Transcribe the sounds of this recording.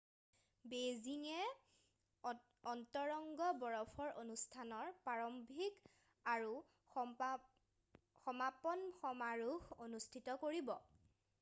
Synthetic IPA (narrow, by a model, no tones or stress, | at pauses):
beziŋɛ | ɔntɔɹɔŋɡɔbɔɹɔpʰɔɹʔonustʰanɔɹpaɹɔmbʱik | aɹu | xɔmapɔnxɔmaɹuxonustʰitɔkoɹibɔ